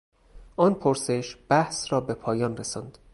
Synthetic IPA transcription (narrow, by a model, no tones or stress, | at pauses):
ʔɒːnpʰoɾse̞ʃb̥æhsrɒːbe̞pʰɒːjɒːnresɒːnd̪̥